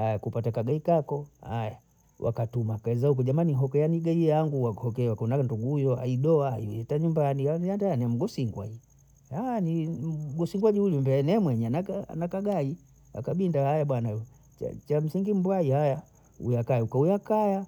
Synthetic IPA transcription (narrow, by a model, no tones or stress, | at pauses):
hajakupatakaɡaikakɔhaja | wʔa̰katumakaɛzahukɔʄamaniɦɔkɛjaniɡaiaŋɡuwahɔkɛwakunanduɡuujɔa̰iɗɔaa̰iɛtaɲumbaniajandajaniam̩ɡɔsiŋɡwa̰i | haniɡɔsiŋɡwaʄihulumbɛnɛmwɛɲɛanaa̰nakaɡai | a̰kaɓindahajaɓwana | a̰t͡ʃam̩siŋɡim̩bwaihaja | ṵjakaiukaujakaja